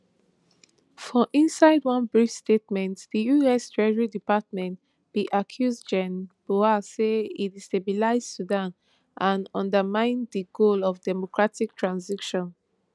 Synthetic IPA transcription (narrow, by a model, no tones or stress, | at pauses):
fɔʔĩnsaɪdwʌ̃nbɹifstetmɛ̃ntð̥ijuɛstʰɹɛʒəɹidipat̚mɛ̃nt | b̥iʔakʰjuzd͡ʒɛ̃nb̥oaseidistebilaɪzsudãn | ʔãnɔ̃ndəmãɪ̃ndəɡolɔfdɛmokʰɹatik̚tʰɹãnzikʃɔ̃n